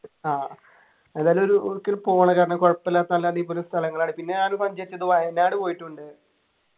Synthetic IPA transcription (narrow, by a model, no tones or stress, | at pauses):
aː | eðaːlumo̞ɾuokːilpoːɳɐkaːɾɐɳɐkoɻɐpːɐlːaːt̪ːnɐlːaːðiːp̬ːoːlest̪ʰɐlɐŋːɐɭaːɳɨpinːe̞ɲaːnumsɐɲd͡ʑɐɾit͡ɕːɐðɨʋɐjnaːɽɨpo̞ːjiʈːuɳɖɨ